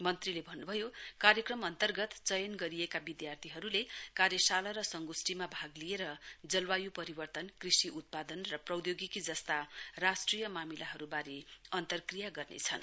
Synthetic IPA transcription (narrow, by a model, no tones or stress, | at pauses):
mʌnt̪rilebʱʌnːubʱʌjokaɾjʌkrʌmʌnt̪ʌrɡʌt̪t͡sʌjʌnɡʌɾiekabid̪jart̪ʰiɦʌɾulekaɾjʌsalʌɾʌsʌŋɡusʈimabʱaɡlijeɾʌd͡zʌlwajupʌɾibʌrt̪ʌnkrisiʔut̪̚pad̪ʌnrʌprʌwd̪joɡikid͡zʌst̪arasʈrijʌmamilaɦʌɾubaɾiʌnt̪ʌrkrijaɡʌrnḛt͡sʰʌ̰n